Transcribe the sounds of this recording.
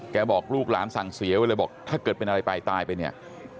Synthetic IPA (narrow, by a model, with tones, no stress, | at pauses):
kɛː˧bɔː˨˩k̚luː˥˩k̚laː˩˦˥nsa˨˩ŋsi˩˦wa˧lɤː˧˩bɔː˨˩k̚t̪ʰaː˥˩kɤː˨˩t̪̚pe˧nʔa˧ɾa˧jpa˧jt̪aː˧jpa˧jni˥˩ɐ